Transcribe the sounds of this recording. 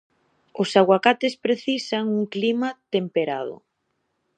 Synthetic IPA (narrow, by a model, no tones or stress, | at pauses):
ʊsaɣwakat̪espɾeθisaŋuŋklimat̪empeɾa̰ð̞ʊ̰